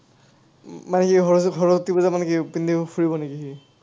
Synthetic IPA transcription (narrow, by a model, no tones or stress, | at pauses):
manɛkiɔɦɔɹɔtibɔzamanɛkipind̪ʱipʰuɹibɔnekiɦi